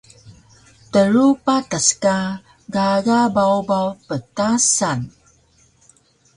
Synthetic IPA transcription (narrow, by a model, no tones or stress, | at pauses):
təɾupataska | ɡaɡabawbawpətasan